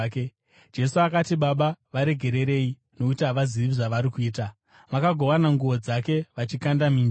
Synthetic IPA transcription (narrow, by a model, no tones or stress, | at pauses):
ke | d͡ʒe̞suakatiɓaɓaʋaɾe̞ɡʱe̞ɾe̞ɾe̞i | no̞itaʋaziʋiʐaʋaɾikuiːta | makaɡʱo̞ʋanaŋɡuʋo̞d͡zake̞ʋat͡ʃikandamiːn